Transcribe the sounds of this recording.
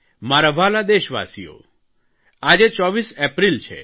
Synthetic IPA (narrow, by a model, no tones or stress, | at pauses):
maɾaʋalad̪eʃʋa̰sijo̰ | ad͡ʒet͡ʃɔʋisepɾilt͡ʃʰḛ